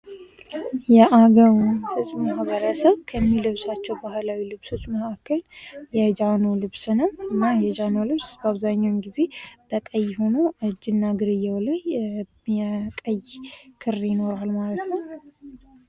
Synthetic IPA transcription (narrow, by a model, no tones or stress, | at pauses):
jɛʔaɡəwhɨzbmaɦβəɾəsəβkʰəmːilɨβsat͡ʃːɛwbahlawilɨβso̞t͡ʃːməkakʰːəljɛd͡ʒanolɨβsnɨwɨnːajɛd͡ʒanolɨβsbəaβzaɲːawnɡize̞b̥əkʼəjːho̞no̞ɨd͡ʒɨnːaɡɨɾɨjːawlaj | jkʼəjkʰɨrːjɪno̞ɾalmalət̪nəw